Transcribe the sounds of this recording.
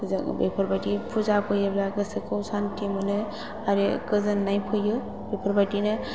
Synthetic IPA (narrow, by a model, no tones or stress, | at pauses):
zbḛpʰɔɾbadipʰuzapʰɯjɯblaɡɯsɯkowsantimɯnɯ | aɾekɯzɯnːajpʰɯjɯ | bepʰɔɾbadinɯ